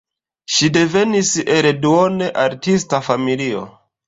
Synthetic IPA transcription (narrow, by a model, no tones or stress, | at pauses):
ʃide̞ve̞niseɾeduone̞ʔaɾtistafamilio̞̰